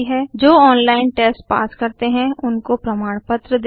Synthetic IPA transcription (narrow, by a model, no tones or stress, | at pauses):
ɦɛd͡ʒoːɔːnlaːɪnʈeːsʈpa̰ːskɐɾt̪eɦɛ̃ʊnkopɾɐmaːɽ̃pət̪ɾəd̪